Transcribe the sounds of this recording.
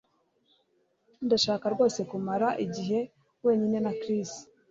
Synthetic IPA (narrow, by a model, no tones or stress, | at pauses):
ndaʃaːkaɾɡo̞ːse̞kumaɾaʔiɟiɦe̞ | we̞ːɲine̞nakɾisi̥